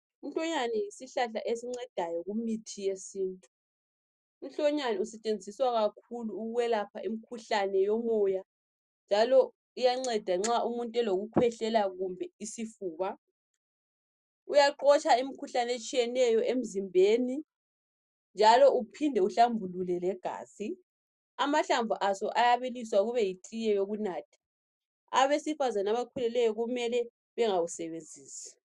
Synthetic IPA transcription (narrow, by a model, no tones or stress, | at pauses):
um̩ɬɔɲanɛjisiɬaɬaʔesiŋ͡ǀɛd̥ʱajɔɣumitʰijesiːntʼu̥ː | m̩ɬɔɲanɛusɛt͡ʃʼend͡zʱiswaɣakʰuluːɣwɛlapʰaʔimikʰuɬanɛjɔmɔja | nd͡ʒʱalɔ | ujaŋ͡ǀɛd̥ʱaŋ͡ǁaʔumuntʼɛloɣukʰwɛɬɛlaɣumbʱɛisifuːβa | ujaǃɔt͡ʃʼʰaim̩kʰuɬanet͡ʃʼijɛnɛjɔʔem̩zimbʱeːni | nd͡ʒʱalɔupʰindʱɛuɬambʱululɛlɛɡ̥ʱa̰ːzi | amaɬaɱvʱuʔasɔʔajaβiliswaɣuβɛjitʼijɛjoɣunaːtʰḁ | a̰βesifazanaβakʰulɛlɛjɔɣumɛlɛ | βɛŋawusɛβend͡zʱiːsɛ̥